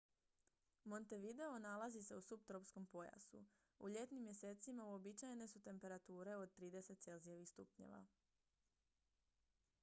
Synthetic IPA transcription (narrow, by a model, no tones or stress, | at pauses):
mo̞nt̪e̞ʋid̪e̞o̞nalˠazise̞usupt̪ɾopsko̞mpo̞ja̰sṵ | uʎe̞t̪nimje̞se̞ːt̪simauo̞bit͡ʃajene̞sut̪e̞mpe̞ɾat̪uːɾe̞o̞d̪̚t̪ɾiːd̪e̞se̞t̪t̪se̞lzijeʋixst̪upɲḛʋa̰